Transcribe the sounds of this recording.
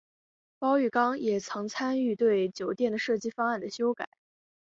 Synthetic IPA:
pɑ˥ʊy˥˩kɑ˥ŋjɛ˨˩t͡sʰɤ˧˥ŋt͡sʰa˥ny˥˧t̪we˥˩ɪt͡ɕjo˨˩ʊt̪jɛ˥˩nd̪ə˩ʂɤ˥˩t͡ɕi˥fa˥ŋa˥˩nd̪ə˩ɕjo˥ʊka̰˨˩˦ɪ

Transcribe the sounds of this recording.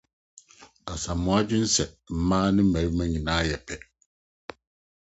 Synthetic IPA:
a˨sã˨mː˨ʊ̃˦a˦d͡ʑɪ˦n̩˦sɛ˨ | m̩˨mãː˦nɪ̃˦m̩˦mæ˨ɾi˦mã˦ɲĩ˨nãː˦jɛ˨pʰɛ˦

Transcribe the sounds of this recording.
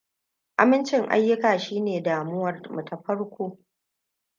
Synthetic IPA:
ʔa˨mɪ˦nt͡ʃɪ˨ŋʔa̰˦jːʊ˦kaː˨ʃiː˦neː˨daː˨mʊ˦wɐ˨rmɐ˨tʰɐ˨ɸɐ˦ɽkʷoː˦

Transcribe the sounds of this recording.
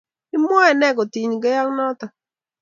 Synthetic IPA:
nɪ˦m˦ɔ˦ɛ˨nɛ˦ɡɔ˨ti˨ɲɡɛ˦ja˦ŋnɔ˦t̪ɔ˨

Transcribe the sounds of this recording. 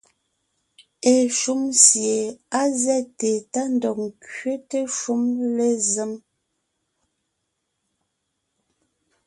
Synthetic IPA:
e˨ʃu˦msje˨a˦zɛ˦˨te˨ta˦n˨dɔ˨ŋ˨kɥe˦te˦ʃu˦mle˦ze˦m

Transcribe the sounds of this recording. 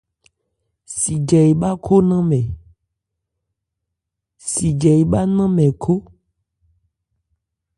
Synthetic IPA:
si˨d͡ʒɛ˨i˨ɓa˦kʰo˦nã˦mɛ̃˨ | si˨d͡ʒɛ˨ji˨ɓa˦nã˦mɛ̃˨kʰo˦

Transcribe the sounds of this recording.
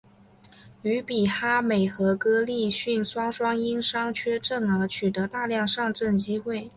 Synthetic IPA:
y˧˥pi˨˩xa˥me˨˩ɪxɤ˧˥kɤ˥li˥˧ɕy˥˩nswɑ˥ŋʂwɑ˥ŋi˥nʂɑ˥ŋt͡ɕʰɥɛ˥ʈ͡ʂɤ˥˩ŋə˞˧˥t͡ɕʰy˨˩t̪ɤ˧˥t̪a˥˧ljɑ˥˧ŋʂɑ˥˧ŋʈ͡ʂə˥˩nt͡ɕi˥xwe˥˩ɪ

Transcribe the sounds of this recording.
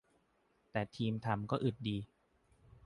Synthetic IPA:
t̪ɛː˨˩t̪ʰiː˧mt̪ʰa˧mkɔː˥˩ʔɯ˨˩t̪̚diː˧

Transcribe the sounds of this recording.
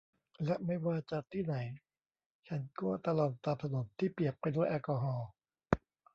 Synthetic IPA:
lɛ˦˥ʔma˥˩jwaː˥˩t͡ɕa˨t̪ʰiː˥˩na˩˦j | t͡ɕʰa˦˥nkuː˥˩t̪a˧lɔː˨˩t̪̚t̪ːaː˧˩p̚t̪ʰa˧no˩˦mt̪ʰiː˥˩pi˨˩əpːa˧jdu˥˩əjʔaː˧kɔː˧ɦɔː˧˩

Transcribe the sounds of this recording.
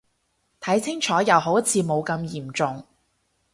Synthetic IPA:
t̪ʰɐ˨˥jt͡sʰɪ˥ŋt͡ʃʰɔː˨˥jɐ˨˧wɦo˨˥wɐ˥t̚t͡sʰiː˧mo˨˧wkɐ˧mjiː˨˩mt͡sʊ˨ŋ

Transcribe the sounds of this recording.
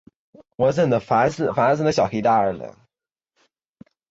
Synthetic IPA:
wɔ˧˥t͡sə˥˩nd̪ə˨˩fa˧˥s̩˥˩fa˧˥˧sə˥nd̪ə˧ɕjɑ˨˩xʰi˧˥t̪a˥˩ə˞˨˩lə̰˨˧˩

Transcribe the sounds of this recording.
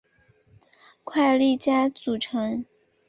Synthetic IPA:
kʰwa˥˧ɪli˥˩t͡ɕja˥t͡su˨˩ʈ͡ʂʰɤ˧˥ŋ

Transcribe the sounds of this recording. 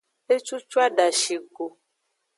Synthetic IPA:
e˦t͡ʃu˦t͡ʃu˦a˦ɖa˨ʃi˨ɡo˨

